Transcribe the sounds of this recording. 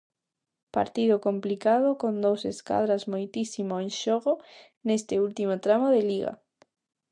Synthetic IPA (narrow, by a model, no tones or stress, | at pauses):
pa̰ɾt̪iðʊkomplikað̞ʊkond̪owseska̰ðɾazmojt̪isimoenʃoɣo | nest̪ɪult̪imot̪ɾamoðeliɣa̰